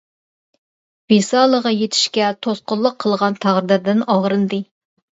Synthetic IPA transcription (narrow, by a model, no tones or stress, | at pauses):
b̥esɑlˠəʁɑjet̪ʰi̥ʃkʲɛt̪ʰosqʊlˠːəqʰːəlˠʁɑnt̪ʰæʁɾɨd̪ɨɾd̪ɪnɑʁɾɨnd̪ɨ